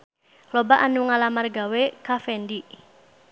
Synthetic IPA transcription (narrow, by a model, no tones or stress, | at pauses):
klɔbaʔanuŋalamarɡawekafɛndiʔ